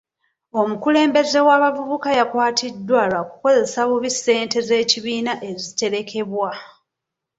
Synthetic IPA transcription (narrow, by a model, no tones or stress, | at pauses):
o̞mukule̞ːmbe̞ze̞waːβavuβukajakwaːtʰidːwalaku̥ko̞ze̞saβuβisːe̞ːnte̞ze̞ːciβiːnaʔe̞zite̞ɾe̞kʰe̞βwa